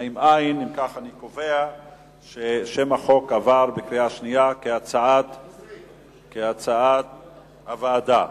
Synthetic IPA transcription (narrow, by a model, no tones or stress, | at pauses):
imʔajnimkaχanikovea | ʃeʃemaχo̞kavaʁbekliaʃnijakeat͡saat̪ | keat͡saat̪ | havaːd̪a